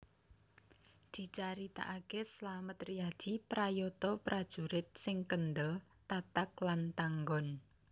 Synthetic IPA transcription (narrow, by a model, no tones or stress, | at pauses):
d̪̥i̤t͡ʃaɾit̪a̰ʔakeslamət̪riad̪̥ipɾajot̪ɔpɾad̥ʒ̥ṳɾɪt̪̚sɪŋkənd̪əl | t̪at̪ak̚lant̪aŋɡɔn